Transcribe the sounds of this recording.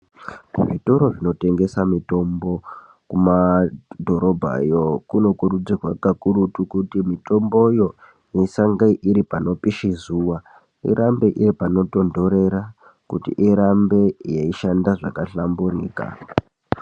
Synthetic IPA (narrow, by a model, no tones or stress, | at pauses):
ʐitoɾo̞ʐino̞te̞ŋɡe̞samito̞mbo̞ | kumadʱo̞ɾo̞bʱa̰jo̞kuno̞kuɾud͡zirwakakuɾutukutimito̞mbo̞jo̞ | jesaŋɡaiʔiɾipano̞piʃizuwa | ḭɾʔambe̞ʔiɾipano̞to̞ndo̞ɾe̞ɾa | kṵtḭʔiɾambe̞jeiʃandaʐa̰kaɬamburḭːka̰